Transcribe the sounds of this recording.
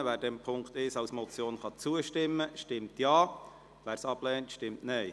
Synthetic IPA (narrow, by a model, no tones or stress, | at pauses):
ʋæːɾdɛmpʰʊŋkt̪ɪʃɑʊsmɔt͡sjoːnχɑt͡suəʃtɪmːəʃtɪmtjɑː | ʋæːɾsɑb̥lɛːntʃtɪmtnɛj